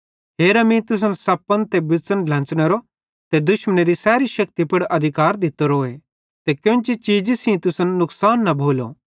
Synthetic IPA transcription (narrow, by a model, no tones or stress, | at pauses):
ɦeːɾɐmĩt̪ʊs̬ənsɐpːənt̪ebɪt͡sənlɐ̃nt͡ʃñeɾo | t̪ed̪ʊʃməneɾisɛːɾiʃɐk̚t̪ipɐɽʔɐd̪ʱɪkaːɾd̪ɪt̪oɾoːe | t̪ekjõːnt͡ʃit͡ʃiːd͡ʒisĩt̪ʊsənːʊksaːnːɐbʱoːlo̰